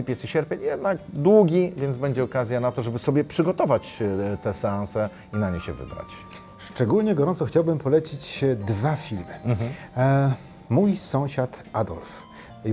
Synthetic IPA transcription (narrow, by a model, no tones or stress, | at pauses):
ipʲɛt̪siɕɛɾpʲeɲjɛd̪naɡd̪wuɡʲivʲjɛnzbɛɲd͡ʑɛɔkazʲjanat̪ɔʐɛbɘsɔbʲjɛpʂɘɡɔt̪ɔvat͡ɕt̪ɛsɛãsɛ | inaɲeɕɛ̰vɘ̰bɾa̰t͡ɕ | ʂt͡ʂɛɡulɲɛɡɔɾɔ̃nt̪sɔxt͡ɕawbɘmpɔlɛt͡ɕit͡ɕd̪vafʲilmɘ | mujsɔ̃w̃ɕat̪ad̪ɔ̰lf